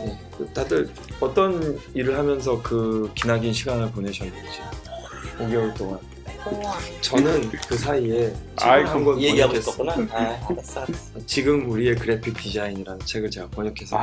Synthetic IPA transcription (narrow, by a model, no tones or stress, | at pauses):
je̞ | kɯtadɯɭ | ʌt͈ʌniɾɯɭɦamjʌns̬ʰʌkɯkinaɡinɕʰiɡanɯɭpone̞ɕʰʌnːɯnd͡ʑi | koŋɡjʌŋɯɭt͈oŋan | t͡ɕʌnɯnkɯsʰaie̞a̰ɦamɡwʌneɡaes͈ʌuna | jet͡ɕiɡɯmuɾie̞kɯɾe̞pʰik̚t͈id͡ʑainiɾanɯnt͡ɕʰe̞ɡɯɭt͡ɕeɡakʌɲʌkʰesʰʌ